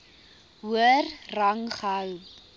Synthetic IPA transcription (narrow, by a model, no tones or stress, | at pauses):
uərrɐŋχɐw